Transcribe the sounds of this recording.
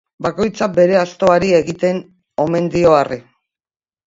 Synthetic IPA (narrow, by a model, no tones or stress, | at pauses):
bako̞jt͡sabe̞ɾe̞ast̪o̞aɾie̞ɣit̪e̞n | o̞me̞nd̪io̞ari